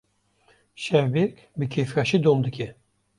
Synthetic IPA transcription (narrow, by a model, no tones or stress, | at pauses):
ʃɛvbek | bɨkʰefɾɑʃid̪omd̪ɨkʲɛ